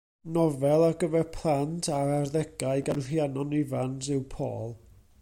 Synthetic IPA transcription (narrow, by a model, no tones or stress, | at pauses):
nɔvɛlˠaɡəvɛrpʰlˠantʰaɾarðɛɡ̥aɨɡanr̥janɔnɪvansɪwpʰo̰ːlˠ